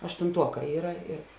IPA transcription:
ɐʃtʊnˈtuɔˌkɑː ˈiːrɐ ɪr

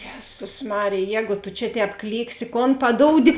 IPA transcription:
ˈjæːzʊs ˈmɑːrʲeːj ˈjɛːɡʊ tʊ t͡ʃʲɛ ˈtʲɛːp ˈklʲiːksʲɪ koːn pɐˈdoːʊdʲɪ

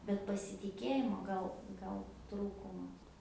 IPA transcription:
bʲɛt pɐsʲɪtʲɪˈkʲeːjɪmoː ˈɡɐlˠ ˈɡɐlˠ ˈtruːkʊmɐ

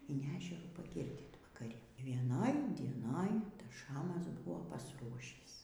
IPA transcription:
ɪn ˈæːʒʲɛruː pɐˈɡʲɪrʲdʲiːt ʋɐkɐˈrʲɪ ʋʲiɛˈnoːj dʲiɛˈnoːj ˈtɐs ˈʃɑːmɐs ˈbʊʋoː pɐsˈruɔʃʲiːs

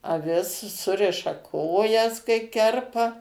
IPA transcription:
ɐˈʋʲɪs ˈsʊrʲɪʃɐ ˈkoːjɛs kɐɪ ˈkʲɛrpɐ

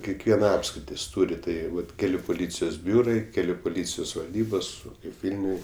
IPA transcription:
kʲɛkˈʋʲiɛnɐ ˈɑːpskrʲɪtʲɪs ˈtuːrʲɪ ˈtɐɪ ˈʋɐt ˈkʲæːlʲʊ pʊˈlʲiːt͡sʲɪjoːs ˈbʲuːrɐɪ ˈkʲæːlʲʊ pʊˈlʲiːt͡sʲɪjoːs ʋɐlʲˈdʲiːboːs kɐɪp ˈʋʲɪlʲnʲʊj

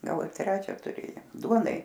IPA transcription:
ˈɡɐlˠ ɪr ˈtʲrʲæːt͡ʃʲɛ tʊˈrʲeːjoːm ˈduɔnɐɪ

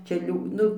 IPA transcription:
ˈt͡ʃʲɛ ˈlʲuː ˈnʊ

